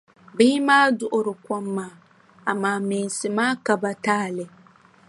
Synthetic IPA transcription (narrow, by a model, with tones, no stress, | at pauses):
biː˦maː˦dʊ˦˨ʔʊ˨ɾɪ˨kʷɔ˦mːaː˦˨ | a˨maː˦mi˨n˨sɪ˨maː˦ka˨ba˨taː˦˨lɪ˨